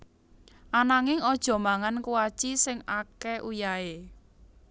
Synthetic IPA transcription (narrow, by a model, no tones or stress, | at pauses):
ʔanaŋɪŋɔd̥ʒ̥ɔ̤maŋankuwat͡ʃisɪŋakɛʔujae